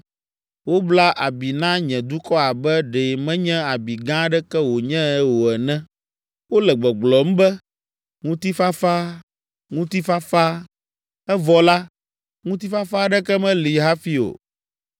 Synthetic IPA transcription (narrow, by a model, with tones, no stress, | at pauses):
wo˦bla˦ʔa˨bi˨nã˦ɲɛ̃˨d̪u˦kɔ˦a˨bɛ˦ɖe˨mɛ̃˦ɲɛ̃˦a˨bi˨ɡã˦ɖɛ˦kɛ˦wo˨ɲɛ̃˦ɛ˦wo˨ɛ˨nɛ̃˦ | wo˦lɛ˨ɡ͡bɔ˨ɡ͡blɔ˨m̩˦bɛ˦ | ŋũ˦t̪i˦fa˦fa˦ | ŋũ˦t̪i˦fa˦fa˦ | ɛ˦vɔ˨la˦ | ŋũ˦t̪i˦fa˦fa˦ɖɛ˦kɛ˦mɛ̃˦li˨ɦa˦fi˦o̰˨